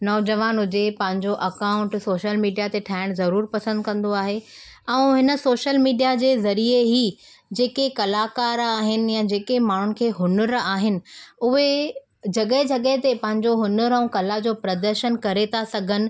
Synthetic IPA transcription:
nɔːd͡ʑɐʋaːnɦʊd͡ʑepɐ̃ɦɪ̃ɲd͡ʑoʔɐkaːʊ̃ɳʈsoːʃəlmiːɖijat̪eʈʰaːɪɽ̃zɐɾuːɾpɐsə̃nd̪̚kɐ̃nd̪oaːɦe | ɛ̃ːɦɪnə̆soːʃəlmiːɖijad͡ʑeːzɐɾieɦi | d͡ʑeːkekɐlakaːɾaːɦɪnɪ̆jad͡ʑeːkemaːɳ̤ʊnɪ̆kʰeːɦʊnəɾaːɦɪnɪ̆ʊɦe | d͡ʑɐɠəɦɪd͡ʑɐɠəɦɪt̪epɐ̃ɦɪ̃ɲd͡ʑoɦʊnəɾɛ̃ũkɐlad͡ʑoːpɾɐd̪əɾʃənkɐɾet̪ʰasɐɡʱənɪ̆

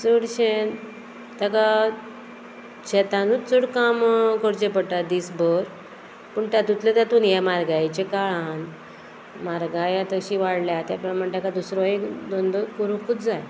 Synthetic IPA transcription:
t͡səɽɕen | t̪aka | t͡ɕʰɛt̪ãnut͡səɽkamkəɽt͡ɕepəʈad̪iːsbəɾ | pəɳt̪jat̪ut̪let̪jat̪uːnjamaɾɡajt͡ɕekaɭan | maɾɡajãt̪əɕiʋaɽljat̪japəɳməɳt̪akad̪usɾɔed̪ɔnd̪ɔkuɾukuːt͡sd͡zaj

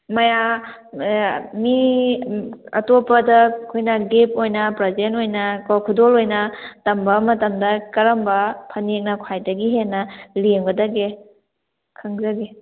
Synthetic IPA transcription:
mɐja | mi | ɐ̰topɐdɐkʰojnɐɡep̚ojnɐpɾɐzenojnɐkawkʰudolojnɐtɐmbɐmɐtɐmdɐkɐɾɐmbɐpʰɐnek̚nɐkʰwajdɐɡiɦenːɐlŋɡɐdɐɡe | kʰɐŋzɐɡe

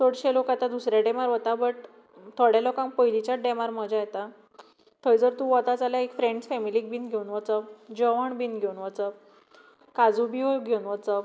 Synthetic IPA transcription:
soɽɕelokat̪ad̪usɾjaɖemaɾʋət̪abəʈ | t̪ʰɔɽjalokãŋkpəjlit͡ɕaɖɛmaɾməd͡ʑajet̪a | t̪ʰəjd͡zəɾt̪ũʋət̪at͡saljaekfɾẽɳɖsfɛmilik̚binɡʱeunʋət͡səd͡ʑəʋəɳbinɡʱeunʋət͡sə | kad͡zubiɦoɡʱeunʋət͡sə

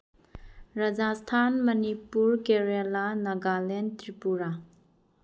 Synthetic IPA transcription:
ɾɐd͡ʒastʰanmɐnipuɾkeɾelanɐɡalentɾipuɾa

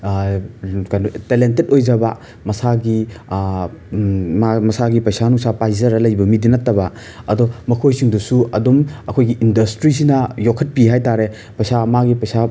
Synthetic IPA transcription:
kajnutelentet̚ojd͡ʒɐbɐ | mɐsaɡi | mamɐsaɡipɐjsanuŋsapajzɐɾɐlɐjbɐmidinɐtːɐbɐ | ɐdɔmɐkʰojsiŋdusuɐdumɐkʰojɡiʔindɐstɾisinɐjokʰɐt̚piɦajtaɾe | pɐjsamaɡipɐjsa

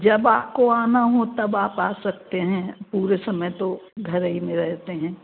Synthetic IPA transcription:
d͡ʒɐbaːp̚koaːnaɦot̪ɐbaːpaːsɐk̚t̪eɦɛ̃puːɾesɐməjt̪oɡʱɐɾɦimẽɾɛɦt̪eɦɛ̃ː

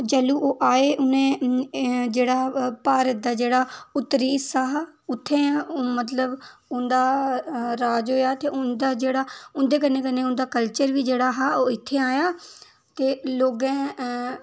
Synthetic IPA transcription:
d͡ʒəluːʔoːʔaːeːʔʊnẽː | d͡ʒeːɽaːpaːɾət̪̚d̪aːd͡ʒeːɽaːʊt̪ːɾiːsaːɦaʊt̪ʰːẽːmət̪ləbʊnd̪aːɾaːd͡ʒɦoːjaːt̪eːʊnd̪aːd͡ʒeːɽaːʊnd̪eːk̬ənːẽːkənːeːʊnd̪aːkəlt͡ʃəɾʋiːd͡ʒeːɽaːɦaːoːɪt̪ʰːeːaːjaː | t̪eːloːɡɛ̃ː

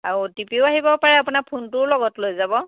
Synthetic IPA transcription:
a̰ɹutipiʊaɦibɔpaɹɛapunakpʰuntʊlɔɡɔtlojzabɔ

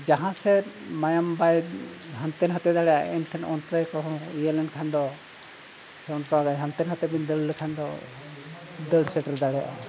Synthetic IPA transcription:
d͡ʒaɦãsɛmajambajɦant̪ɛnɦat̪ɛd̪aɽɛja̰ɛnʈʰɛnɔnt̪ɾajkɔɦɔ̃ijəlɛnkʰand̪ɔ | hɛɔnkɔaɡajɦant̪ɛnɦat̪ɛbind̪əlləkʰand̪ɔ̰ | d̪əlsɛʈɾd̪aɽɛjaʔa̰

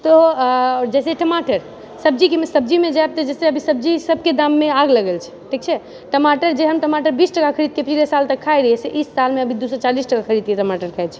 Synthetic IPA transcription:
t̪ɔɔɾd͡ʒɛseʈəmaʈəɾ | səb̚d͡ʒikemesəb̚d͡ʒimed͡ʒaeb̚t̪ɔd͡ʒɛseəbʱisəb̚d͡ʒisəb̚ʱked̪amːeaɡləɡəlt͡ʃʰɛ̥ʈʰik̚t͡ʃʰɛ | ʈəmaʈəɾd͡ʒeɦəmʈəmaʈəɾbisʈəkakʰəɾid̪̚kepət͡ʃʰilesalt̪əkʰːajɾəɦɛseʔisːalmeəbʱid̪usɔt͡ʃalisʈəkakʰəɾid̪̚keʈəmaʈəɾkʰaet͡ʃʰɛ

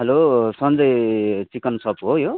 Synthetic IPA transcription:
ɦʌlosʌnd͡zʌjt͡sikʌnsʌpɦojo

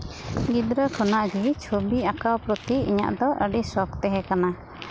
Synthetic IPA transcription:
ɡid̪ɾəkʰɔnaʔɡit͡ʃʰobiakawpɾɔt̪iḭɲa̰ʔd̪ɔʔəɖisɔkt̪ɛɦɛkana

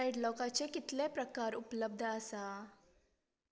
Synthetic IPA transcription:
ajɖlɔkat͡sekit̪lepɾəkaɾupləb̚d̪ʱəəsa

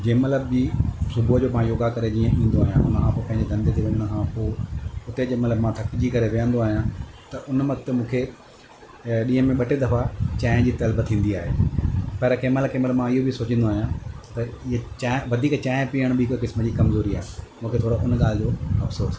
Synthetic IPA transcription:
d͡ʑẽːmɐt̪ləbd͡ʑisʊbuɦd͡ʑoːmãjoːɡakɐɾed͡ʑiːə̃ʔĩːn̆d̪oaːɦijãʊ̰nəkʰãpopɐ̃ɦɪ̃ɲd͡ʑed̪ɐ̃nd̪et̪ʰeʊɲnəkʰãpoːʊt̪ed͡ʑeːmɐt̪ləbmãt̪ʰɐkd͡ʑikɐɾeʋijə̃nd̪oaːɦijãt̪ɐʔʊnʋɐɡt̪emũːkʰe | ɗĩːɦə̃mẽɓɐʈed̪ɐfat͡ɕaːɪ̃d͡ʑiːt̪ɐlbt̪ʰĩːn̆d̪iaːɦeːpɐɾkeːməlkeːməlmãɪɦobʱisoːt͡ɕə̃n̆d̪oaːɦijãt̪ɐɪɦet͡ɕaʋɐd̪ʱiːkt͡ɕaːɪ̃piːəɽ̃bʱɪkkɪsməd͡ʑiːkɐmzoːɾiaːɦemũːkʰet̪ʰoːɽoʔʊnɠaːlɪd͡ʑoːɐfsoːs

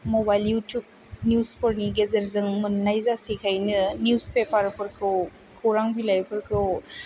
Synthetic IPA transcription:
mobajljutjub̚ | njuspɔɾniɡezɐɾzɯŋmɯnnːajzasikʰajnɯnjuzpepaɾpʰɯɾkʰɯw | kʰowɾaŋbilajpʰɯɾkʰɯw

